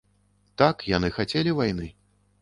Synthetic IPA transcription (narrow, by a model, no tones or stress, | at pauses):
t̪akjanɨxat͡sʲelʲivajnɨ